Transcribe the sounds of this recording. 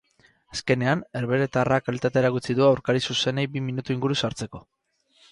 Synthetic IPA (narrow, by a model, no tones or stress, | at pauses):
aske̞ne̞ane̞ɾβe̞ɾet̪arakalit̪at̪eːɾaɣut͡siðuawɾkaɾisuse̞nejbiminut̪uiŋɡuɾusaɾt͡se̞ko̞